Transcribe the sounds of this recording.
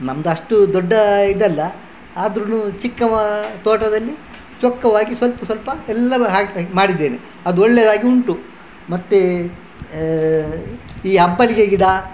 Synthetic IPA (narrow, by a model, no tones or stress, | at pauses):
nɐmd̪ɐɐʂʈud̪ɔɖːɐid̪ɐlːɐ | aːd̪ɾɐnut͡ʃikːɐt̪oːʈɐd̪ɐlːi | t͡ʃɔkːɐʋaːɡisʋɐlpɐsʋɐlpɐɛlːɐɾuɦaːmaːɽid̪ːe̞ːne | ɐd̪uɔɭːeːd̪aːɡiuɳʈu | mɐt̪ːe | iːɐbːɐliɡeɡid̪a